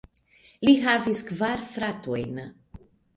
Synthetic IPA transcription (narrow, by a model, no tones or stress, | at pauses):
liɦaviskvaɾfɾat̪uejna